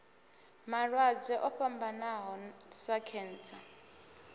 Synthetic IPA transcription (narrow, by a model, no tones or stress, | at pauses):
maɺwad͡zɛʔɔɸambanaɦɔsakʰɛːnt͡sʰa